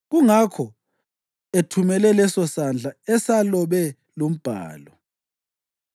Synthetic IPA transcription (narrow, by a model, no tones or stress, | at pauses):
ɣuŋakʰɔ | etʰumɛlɛlɛsɔsand͡ɮʱaɛsalɔβɛ | lom̩b̥ʱa̰ːlɔ